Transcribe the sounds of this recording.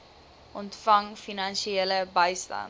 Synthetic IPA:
ʔɔntfɐŋfinɐnʃieləbəjstɐ̰n

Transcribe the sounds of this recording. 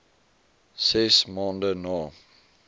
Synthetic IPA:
sɛsmɑːndənɑː

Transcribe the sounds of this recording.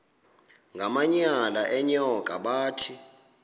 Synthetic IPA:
ŋɡʱamaɲalaʔɛɲɔkʼaɓaːtʰi

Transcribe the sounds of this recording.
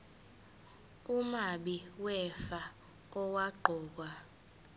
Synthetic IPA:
umaɓiwɛfa | ɔwaǃʱɔːk̬wa

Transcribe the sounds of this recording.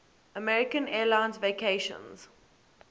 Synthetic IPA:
əmɛɹɪkə̃nɛːlãɪ̃nzvekʰeɪʃə̰̃nz̥

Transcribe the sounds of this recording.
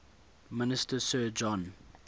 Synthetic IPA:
mɪnɪstəsɜːd͡ʒɔ̃n

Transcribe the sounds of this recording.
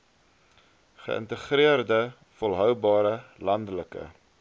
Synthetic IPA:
χə̰ʔə̰ntəχriərdə | fɔlˠɦœwbɑːɾəlɐndələkə̰

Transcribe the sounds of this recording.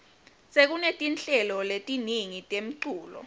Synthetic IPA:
sek̬unetʼint͡ɬʼɛlɔletʼiniŋitʼem̩ǀuːlɔ̰

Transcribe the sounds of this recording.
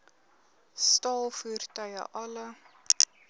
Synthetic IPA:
stɑːlˠfuːrtœɥə̰ʔɐlə

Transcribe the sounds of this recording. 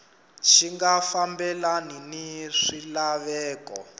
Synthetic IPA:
t͡ʃʰiŋɡafambɛlaniniʂilaβɛːkɔ̰

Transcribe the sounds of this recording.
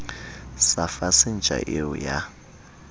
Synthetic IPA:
safasind͡ʒʼʱa̰ʔeṵja

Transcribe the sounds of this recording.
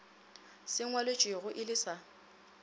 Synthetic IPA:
sɪŋwalet͡ʃʼwɪɣʊʔɪlɪsa

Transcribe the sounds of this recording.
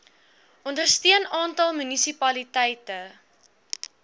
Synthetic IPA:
ʔɔndərstiənɑːntɐlˠmynisipɐlitɛjtə

